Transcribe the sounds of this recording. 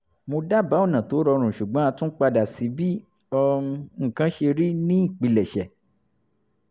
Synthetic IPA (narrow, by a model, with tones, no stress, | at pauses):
mo˧da˦˨ba˨˦o˦˨nã˨to˨˦ɾɔ˧ɾ̃ũ˨ʃu˨ɡ͡bɔ̃˨˦a˧tũ˦k͡pa˧da˨si˨˦bi˦ | ɔ˧ũ˧ŋ̩˦˨kã˦ʃe˧ɾi˦nĩ˦˨k͡pi˧lɛ˨ʃɛ˨